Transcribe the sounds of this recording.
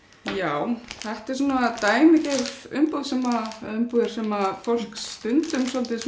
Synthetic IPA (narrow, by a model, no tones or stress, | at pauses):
jaːwθɛht̪ɛɾ̥suːnat̪aːjmɪcɛvʏmpuðsɛmaʏmpuðɪɾ̥sɛmafol̥kst̪ʏnt̪ʏmsɔlt̪ɪs